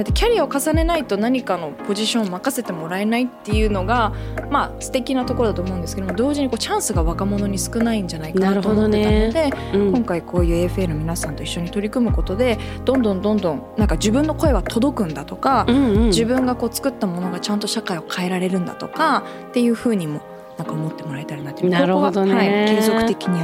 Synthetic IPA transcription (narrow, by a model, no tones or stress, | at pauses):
at̪ːekʲaɾʲiao̞kasane̞nait̪o̞naɲ̟ikano̞po̞ʑiɕõomakase̞t̪e̞mo̞ɾae̞nait̪ːe̞jɯ̟ːno̞ɡamasɨ̥t̪e̞kʲinat̪o̞koɾo̞d̪at̪oːmo̞ɯ̟nd̪esɨ̥ked̪omd̪o̞ːʑiɲ̟iko̞ːt͡ɕãɰ̃sɨɡaβakamo̞no̞ɲ̟isɨ̥kɯ̟naĩɲ̟d͡ʑanaikanaɾomoneaod̪e̞kõ̞ŋkaikʰo̞ːjɯ̟ːeɸɯ̟eno̞mʲinasãnt̪o̞iɕːo̞ɲ̟it̪o̞ɾʲikɯ̟mɯ̟ko̞t̪o̞d̪e̞d̪̥õ̞nd̪õ̞nd̪õ̞nd̪õ̞ŋnãŋkad͡ʑibɯ̟̃nːo̞ko̞e̞βat̪ʰo̞d̪o̞kɯ̟̃nd̪at̪o̞kad͡ʑibɯ̟̃ŋɡako̞ːt͡sɨ̥kɯ̟t̪ːamo̞no̞ɡat͡ɕãnt̪o̞ɕakaio̞kʰae̞ɾaɾe̞ɾɯ̟̃nd̪a̰t̪o̞ka | t̪ːe̞jɯ̟ːɸɯ̟ːɲ̟imo̞ | nãŋkaomo̞t̪ːe̞mo̞ɾaet̪aɾinat̪ːeminoɾod̪haikẽ̞ːzokɯtt̪e̞kʲiɲ̟i